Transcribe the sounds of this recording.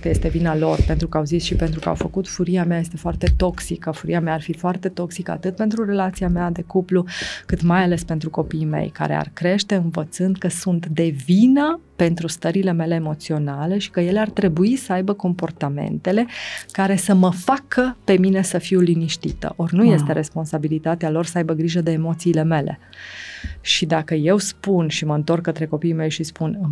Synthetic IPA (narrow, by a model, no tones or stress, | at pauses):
kəje̞st̪e̞vinalo̞rpe̞nt̪ɾukəawzisʃipe̞nt̪ɾukəa̰wfəkut̪fuɾiameaje̞st̪e̞foart̪e̞t̪o̞ksikəfuɾiameaːrfifoart̪e̞t̪o̞ksikəa̰t̪ɨt̪̚pe̞nt̪ɾure̞lat̪siamead̪e̞kuplukɨt̪majale̞spe̞nt̪ɾuko̞pijmḛjka̰ɾe̞̰a̰rkɾe̞ʃt̪e̞ɨnvət̪sɨnd̪kəsunt̪d̪e̞vinəpe̞nt̪ɾust̪əɾile̞me̞le̞ːmo̞t̪sio̞nale̞ʃi̥kəje̞leart̪ɾe̞buisəajbəko̞mpo̞rt̪ame̞̰nt̪ele̞kaɾe̞səməfakʰəpe̞mine̞səfiwliniʃt̪ḭt̪ə̰ʔo̞rnuje̞s̬t̪e̞ɾʔe̞spo̞nsabilit̪at̪ealo̞rsəajbəɡɾiʒəd̪e̞ːmo̞t̪siːle̞me̞le̞̰ | ʃid̪akəje̞wspunʃiməɨnt̪o̞rkːət̪ɾe̞ko̞piime̞jʃispunɨ